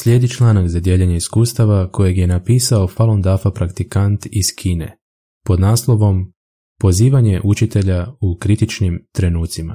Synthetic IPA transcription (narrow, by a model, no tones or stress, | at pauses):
sʎʲe̞ːd̪it͡ʃlˠaːnaɡzad̪je̞ʎeɲe̞iskuːst̪aʋako̞je̞ɡje̞napiːsao̞falˠond̪afapɾakt̪ikant̪iz̥kʰiːne̞̰ | po̞d̪naːslˠo̞ʋo̞m | po̞ziːʋaɲe̞ʔut͡ʃit̪e̞ʎaukɾit̪it͡ʃnimt̪ɾe̞nuːt̪sima̰